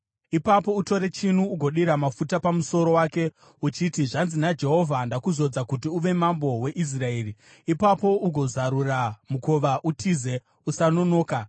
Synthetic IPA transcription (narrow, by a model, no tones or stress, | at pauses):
ipapo̞uto̞ɾe̞t͡ʃin̤uːɡʱo̞ɗiɾamafutapamuso̞ɾo̞waːke̞ | ut͡ʃitiʐanzinad͡ʒe̞ɦo̞vʱandakuzo̞d͡zakutiuʋe̞mambo̞we̞ʔis̬rae̞ːri | ipapo̞uɡʱo̞zaɾuramuko̞ʋaʔutʰize̞ | usano̞no̞ːka